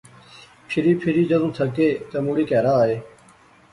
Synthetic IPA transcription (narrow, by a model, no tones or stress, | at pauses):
pʰɪɾiːpʰɪɾiːd͡ʒəd̪ũːt̪ʰəkeːt̪əmũːɽiːkɛːɾaːɦeː